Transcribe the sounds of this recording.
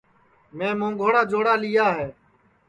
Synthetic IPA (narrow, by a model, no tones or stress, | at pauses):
mẽːmõːŋɡʱoːɽaːd͡ʒoːɽaːlɪjaːɦeː